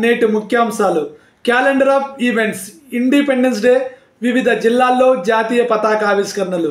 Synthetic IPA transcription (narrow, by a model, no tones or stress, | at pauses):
ne̞ːʈimukʰjɐːmsaːlu | kaːleɳɖɐɾaːpʰiʋe̞ɳʈs | iɳɖipeɳɖens̬ɖe̞ː | ʋiʋid̪ʱɐd͡ʒilːaːlːo̞ːd͡ʒaːt̪iːjɐpɐt̪aːkaːʋiskɐɾɐɳɐlu